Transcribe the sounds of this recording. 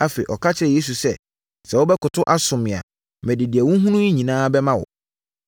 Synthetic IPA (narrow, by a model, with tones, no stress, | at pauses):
a˦fe˨i˨ʔɔ˨kʰa˦t͡ɕʰɪ˦ɾɛ˨je˦s̬u˨sɛ˦ | sɛ˨wʊ˦bɛ˦kʊ˨tʰʊ˦ʔa˦sʊ̃˨mɪ̃˨a̰˨ | mɛ̃˨dɪ˨di˨ɛ˨wʊ̃˦ɦũ˦nũ˦i˦ɲĩ˨nãː˦bɛ˦mã˦wʊ̰˨